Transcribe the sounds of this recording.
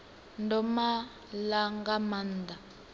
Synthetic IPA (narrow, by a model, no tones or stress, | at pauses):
ndɔma | laŋɡamand̪a